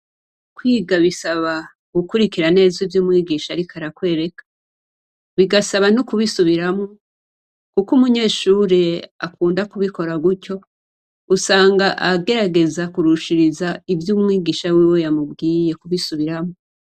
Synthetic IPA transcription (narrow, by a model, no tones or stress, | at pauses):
kwiːɡaβisaβa | ɡ̥ukuɾikiɾane̞ːzivjumŋiːɡiːʃaɾikʰaɾakwe̞ːɾe̞kḁ | βiɡasaβanukuβisuβiɾamo | kukumuɲe̞ːʃuːɾe̞akuːndakuβiko̞ɾaɡuco̞ | usaːŋɡaʔaɡe̞ɾaɡe̞zakuɾuʃiɾizaivjuːmŋiːɡiːʃawiwe̞jamubɡiːje̞kuβisuβiɾamo